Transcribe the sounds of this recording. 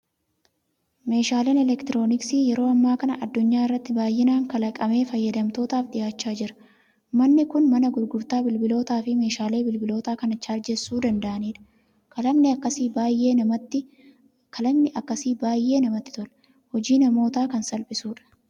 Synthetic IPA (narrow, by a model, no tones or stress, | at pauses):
me̞ːʃaːleːnɛlɛkt̪ɪɾo̞ːnɪksiːjɛɾo̞ːɐmːaːkɐnɐʔɐd̪ːʊɲːaːɪrːɐt̪ːɪbaːjʔɛnaːŋkɐlɐkʼɐme̞ːfɐjːɐd̪ɐmt̪o̞ːt̪aːfᶑɪjaːt͡ʃːaːd͡ʒɪɾɐ̥ | mɐnːɪkʊnmɐnɐɡʊɾɡʊɾt̪aːbɪlbɪlo̞ːt̪aːfɪme̞ːʃaːle̞ːbɪlbɪlo̞ːt̪aːkɐnɐt͡ʃːaːɾd͡ʒɛsːuːd̪ɐnd̪ɐʔɐniːᶑɐ̥ | kɐlɐmnɪɐkːɐsiːbaːjʔe̞ːnɐmɐt̪ːɪ | kʰɐlɐmnɪʔɐkːɐsiːbaːjʔːe̞ːnɐmɐt̪ːɪt̪ɔl | hɔd͡ʒiːnɐmo̞ːt̪aːkɐnsɐlpʼɪsuːᶑɐ̥